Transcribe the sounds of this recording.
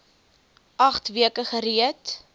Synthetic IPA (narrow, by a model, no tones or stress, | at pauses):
ʔɐχtviəkəχəɾiət